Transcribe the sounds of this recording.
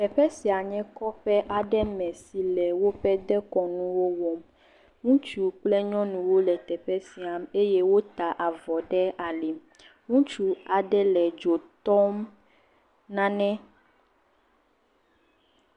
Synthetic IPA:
t̪ɛ˨ɸɛ˦si˨a˨ɲɛ̃˦kɔ˦ɸɛ˦ʔa˨ɖɛ˦mɛ̃˨si˨lɛ˨wo˦ɸɛ˦d̪ɛ˦kɔ˨nũ˦wo˦wɔ˨m | ŋũ˦t͡ʃu˦k͡plɛ˦ɲɔ̃˦nũ˨wo˦lɛ˨t̪ɛ˨ɸɛ˦si˨a˨me˦jɛ˦wo˦t̪a˨ʔa˨vɔ˨ɖɛ˦a˨lɛ˨m | ŋũ˦t͡ʃu˦a˨ɖɛ˦lɛ˨d͡ʒo˨t̪ɔ˦m | nã˦nɛ̃˦

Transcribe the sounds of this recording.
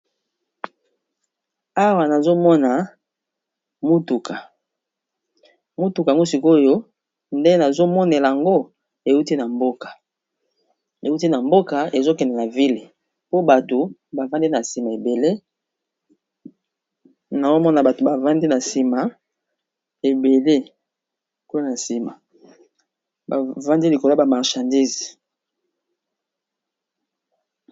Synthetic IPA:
a˦wa˨na˨zo˦mɔ˦na˨ | mu˦tu˨ka˨ | mu˦tu˨ka˨ŋɡo˦si˨ko˦jo˦ | nde˦na˨zo˦mɔ˦nɛ˨la˨a˨ŋɡo˦ | e˨u˦ti˦na˨mbo˦kḁ˨ | e˨u˦ti˦na˨mbo˦ka˨e˨zo˦kɛ˨ndɛ˨na˨vi˦le˨ | po˦ba˨to˨ba˨va˦ndi˦na˨si˨ma˨e˨be˨le˦ | na˨zo˦mɔ˦na˨ba˨to˨ba˨va˦ndi˦na˨si˨ma˨ | e˨be˨le˦ | ko˦a˦na˨si˨ma˨ | ba˨va˦ndi˦li˨ko˨lo˦ba˨ma˨ʁʃa˨ndi˦z

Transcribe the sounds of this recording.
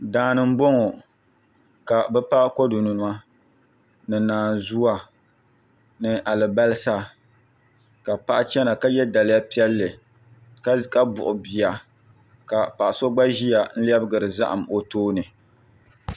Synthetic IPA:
daː˨nɨ˨m̩˦bo˦ŋɔ˨ | ka˨bɛ˦pa˦ko˦du˨nu˨n˨˦a˦ | nɨ˨naː˨nzu˦wa˨ | nɨ˨ʔa˨lɨ˨ba˦lɨ˦sa˦ | ka˨pa˦ʔa˦t͡ʃɛ˦na˨ka˦jɛ˦da˨lɪ˦ja˦pi˦ɛ˦lːɨ˨ | ka˦ka˦bʊ̰˨ʔʊ˨bi˨ja˨ | ka˨pa˨ʔa˨so˦ɡ͡ba˦ʒi˦ja˨n̩˦li˦ɛ˦bɨ˦ɡɨ˨ɾɨ˨za˦ʔa˨mo˨toː˦nɨ˨

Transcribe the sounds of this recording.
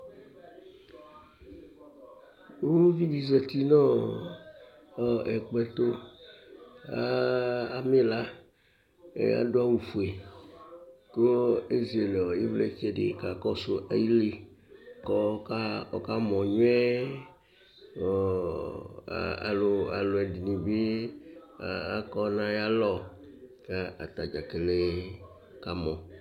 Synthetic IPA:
wu˦vi˦vi˨ze˨t̪i˦nɔ̃˦ | ɔ˨ɛ˨k͡pɛ˨t̪o˦ | a˦a˨me˦la˦ | ḛ˦a̰˦ɖo˦a˦wu˨fu˨e˨ | ko˦e˦ze˨le˨ɔ˨je˦vle˦fɛ˦ɖḛ˨ka˨kɔ˦so˨ʔa˦ji˦le˦kɔ˦ka˦ɔ̰˨ka˦mɔ̃˨ɲo˦ɛ˦˨ | a̰˨lo˨a̰˨lo˨ɛ˨di˨nĩ˨be˦˨ | a˦kɔ˦nã˦ja˦lɔ˦ | ka˦a̰˨t̪a˨d͡ʒa˨ke˨le˦ | ka˦mɔ̃˨

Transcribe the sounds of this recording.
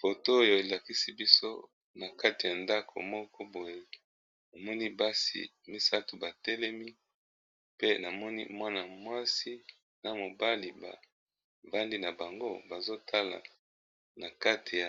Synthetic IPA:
fo˨to˦o˦jo˨e˨la˨ki˦si˦bi˦so˦ | na˨ka˦te˨ja˨nda˦kʰo̰˨mɔ˦kɔ˦bo˨je˨ | a˨mɔ˦ni˦ba˦sḭ˨ | mi˦sa˦tu˨ba˨tɛ˦lɛ˦mi˦ | pe˦na˨mɔ˦nḭ˦mwa˦na˨mwa˦si˦ | na˨mo˨ba˦li˨ba̰˨ | ba˦ndi˦na˨ba˨ŋɡo˦ba˨zo˦tʰa˦la̰˨ | na˨ka˦tʰe˨j

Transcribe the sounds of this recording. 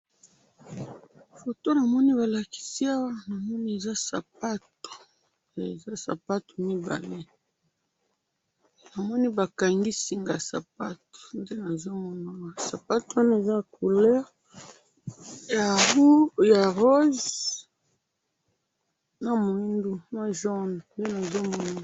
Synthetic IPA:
fo˨to˦na˨mɔ˦ni˦βa˨la˨ki̥˨si˦a˦wa˦na˨mɔ˦ni˦e˨za˦sa̰˨pa˦to̥˨ | e˨za˦sa̰˨pa˦to̥˨mi˦ba̰˨le˦ | na˨mɔ˦ni˦ba˨ka˨ŋɡi˦si˨ŋɡa˨sa̰˨pa˦to̥˨nde˦na˨zo˦mɔ˦na˨wa˨sa˨pa˦to˨˦a˦n˦e˨za˦˨ku˨lɛ˦ʁ | ja˨u˦ja˨ʁo˦z | na˨mo˨i˦ndu˦ma˦ʒɔ˦n˨nde˦na˨zo˦mɔ˦na˦˨

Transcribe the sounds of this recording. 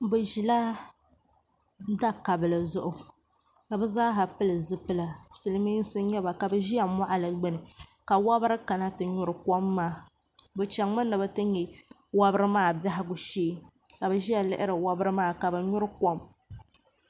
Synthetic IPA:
bɨ˨ʒi˨la˦ | da˦ka˨bɨ˨lɨ˨zʊ˦ʔʊ˨ | ka˨bɨ˦zaː˦ɦa˨pɨ˦lɨ˨zɨ˦pɨ˦la˨sɨ˨lɨ˦mi˦n˦sɨ˦ɲɛ˦ba˨ka˨bɨ˨ʒi˦ja˨mɔ˦ʔa˨lɨ˨ɡ͡bɨ˦nɨ˨ka˨wa˦bɨ˦ɾɨ˦ka˨na˦tɨ˨ɲʊ˦ɾɨ˨ko˦mːaː˦ | bɨ˨t͡ʃa˨ŋ˦ɨ˦nːɨ˨bɛ˦tɨ˦ɲɛ˨ | wa˦bɨ˦ɾɨ˦maː˦˨ba˦ɦɪ˦ɡʊ˨ʃeː˦ | ka˨bɨ˨ʒi˦ja˨lɪ̰˦ʔɪ˦ɾɨ˨wa˦bɨ˦ɾɨ˦maː˦ka˨bɨ˨ɲʊ˦ɾɨ˦ko˦m

